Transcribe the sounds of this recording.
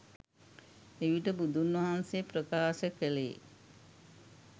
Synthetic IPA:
eʋiʈəbud̪ʱunʋɐɦanseprəkaːʃəkəleː

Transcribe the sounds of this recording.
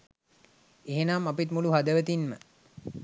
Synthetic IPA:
eɦenamapit̪muluɦad̪əʋət̪inmə

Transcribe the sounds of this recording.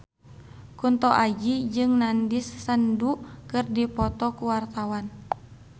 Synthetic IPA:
kunt̪ɔʔad͡ʒid͡ʒɨŋnandisːəndukɨrdipɔt̪ɔkuwart̪awan

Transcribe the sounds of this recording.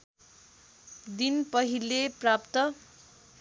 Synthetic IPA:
d̪inpʌɦilːeprapt̪ʌ

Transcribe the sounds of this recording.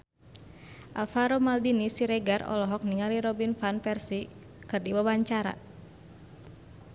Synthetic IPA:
ʔalfaɾomaldinisiɾɛɡarɔ̰lɔɦɔk̚niŋaliɾɔbinfanpɛrsi | kɨrdibawaɲt͡ʃaɾa̰

